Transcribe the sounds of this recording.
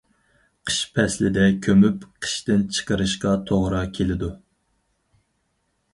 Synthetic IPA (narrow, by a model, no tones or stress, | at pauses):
qʰə̥ʃpʰɛslɪd̪ɛkʲʰømypqʰə̥ʃt̪ɪnt͡ʃʰə̥qəɾɨʃqɑt̪ʰoʁɾɑkʲʰelɪd̪u